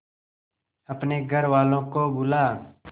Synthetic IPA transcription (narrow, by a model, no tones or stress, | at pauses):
əpneɡʱəɾʋaːlõkobʊlaː